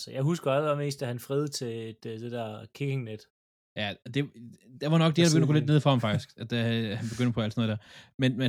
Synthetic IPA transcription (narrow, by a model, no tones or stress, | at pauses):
səjɑ̈ɪɦusɡ̥ɐælɑme̝̰ːsd̥æhænfʁeːð̞̩ˠt͡sʰe̝ed̥d̥ed̥ɛɐ̰kʰike̝ŋned̥ | jæɒd̥e̝d̥æʋɑ̈nɒ̽ɡ̥d̥iæɐdɐbe̥ɡønd̥ɡoled̥neðˠfʁɒɑhɑ̈mfɑ̈ɡ̥d̥isɡ̥æd̥æhænb̥e̝ɡ̥ønd̥pʰɒ̽æl̰dsnɔːðˠd̥æɐmenme